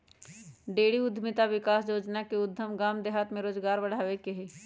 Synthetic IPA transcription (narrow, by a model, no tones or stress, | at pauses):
ɖeːɽiʊd̪ʱmɪt̪aʋɪkaːsjoːd͡ʒnakeʊd̪ʱːəmɡaːmd̪eɦaːt̪mẽɾoːzɡaːɾbɐɽ̤aːʋekeɦeː